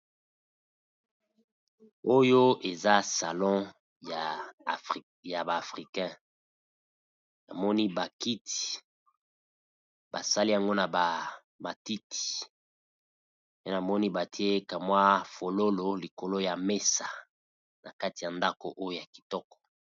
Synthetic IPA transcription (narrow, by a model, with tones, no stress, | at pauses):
o˦jo˦e˨za˦sa˨lɔ̃˦ | ja˨ | ja˨ba˨fʁi˨kɛ̃˦ | na̰˨mɔ˦ni˦ba˨ki˦ti̥˨ | ba̰˨sa˦li˦a˨ŋɡo˦na˨ba˨ | ma˨ti˦ti̥˨ | pe˦na˨mɔ˦ni˦ba˨tʰi˦e˦ka˨mwa˦fo˨lo˦lo˨li˨ko˨lo˦ja˨me˦sa˨ | na˨ka˦ti˨ja˨nda˦ko̰˨ʔo˦jo˦ja˨ki̥˨tɔ˦kɔ̥˨